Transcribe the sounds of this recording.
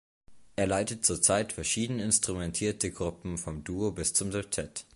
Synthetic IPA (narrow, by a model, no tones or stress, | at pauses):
ʔeːɐlaɪtət̚t͡suːɐt͡saɪtfɛɐʃiːdənəɪnstʁ̥umɛntʰiːɐtəɡʁʊpm̩fɔmduːobɪst͡sʊmdɛptʰɛt